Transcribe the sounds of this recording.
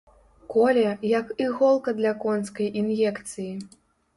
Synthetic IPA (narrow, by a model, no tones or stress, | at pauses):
kɔlʲɐjɐkiɣɔlˠkɐd̪lʲɐkɔnskɐjʔinjɛkt̪sɨji